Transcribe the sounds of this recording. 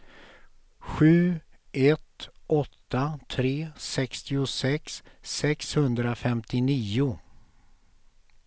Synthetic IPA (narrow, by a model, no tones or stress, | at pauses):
ɧʉ̟ːɛt̪ʔɔt̪ːat̪ʰɾeːsɛkst̪ɪʊsɛksːɛkshɵnd̪ɾafɛmt̪ʰɪniːʊ